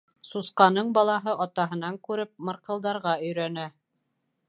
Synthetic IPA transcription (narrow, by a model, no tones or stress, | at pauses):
susqɑnɤɴbɑlˠɑɦɤʔɑt̪ɑɦɤ̆nɑŋkʉɾɘp̚mɤ̆ɾqɤ̆lˠd̪ɑɾʁɑɵ̆jɾænæ